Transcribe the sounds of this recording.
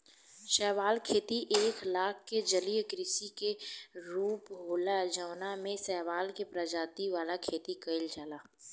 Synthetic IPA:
ʃɛːʋaːlkʰeːt̪iʔeːklaːkʰked͡ʒəlijkɾɪsikeɾuːpɦoːlad͡ʒaːnamẽsɛːʋaːlkepɾəd͡ʒaːt̪iʋaːlakʰeːt̪ikəɪld͡ʒaːlaː

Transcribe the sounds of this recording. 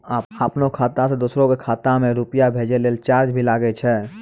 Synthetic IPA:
aːəpnokʰaːt̪ased̪uːsɾõkekʰaːt̪amẽɾupjabʱeːd͡ʒeleːlt͡ʃaːɾd͡ʒbʱilaːɡet͡ʃʰɛː

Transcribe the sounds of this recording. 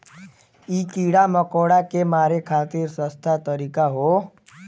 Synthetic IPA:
iːkiːɽaməkoːɽakemaːɾekʰaːt̪iɾsə̃st̪ʰat̪əɾiːkaɦo

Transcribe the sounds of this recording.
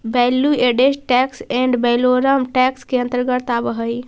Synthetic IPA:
bɛlueɖesʈɛksɛ̃ɳɖbɛloɾəmʈɛkskeə̃nt̪əɾɡət̪abəɦəj

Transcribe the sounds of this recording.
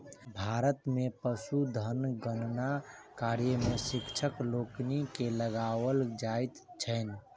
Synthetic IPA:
bʱaɾət̪mepəsud̪ʱənɡənnakaɾjəmesikt͡ʃʰəkloknikeləɡawəld͡ʒaɪt̪t͡ʃʰəɪn

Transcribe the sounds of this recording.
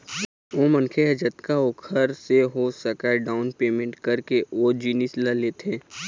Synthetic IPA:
oːmə̃nkʰeɦəd͡ʒət̪kaokʰəɾseɦosəkaɖaːʊnpeːmẽɳʈkɐɾkeʔoːd͡ʒiːnɪslaleːt̪ẽː

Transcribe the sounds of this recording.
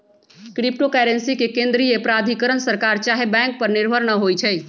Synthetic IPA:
kɾip̚ʈokɛɾensikekẽnd̪ɾijepɾad̪ʱikəɾənsəɾkaɾt͡ʃaɦebɛ̃ŋk̚pəɾniɾbʱəɾnəɦojt͡ʃʰɛj

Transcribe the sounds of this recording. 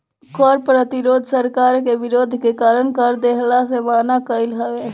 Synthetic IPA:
kɔɾpɾət̪iɾod̪ʱsəɾkaɾkebiɾod̪ʱkekaɾənkəɾd̪eɦlasemanakəjlɦəbe

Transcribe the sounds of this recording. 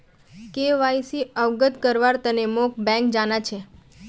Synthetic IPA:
keʋaisiəʋɡəd̪kəɾʋaɾt̪ənemok̚bɛ̃ŋk̚d͡ʒanat͡ʃʰe

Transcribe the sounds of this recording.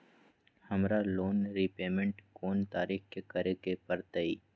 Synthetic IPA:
hɐmɾaloːnɾipeːmẽɳʈkoːnt̪aːɾiːxkekɐɾekepɐɾt̪əiː

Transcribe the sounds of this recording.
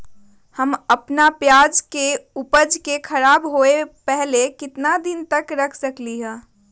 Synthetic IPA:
həməpnapjaːd͡ʒkeʊpəd͡ʒkekʰɐɾaːbɦoepɛɦlekɪt̪nad̪ɪnt̪əkɾɐkʰsəkliɦɛ̃ː

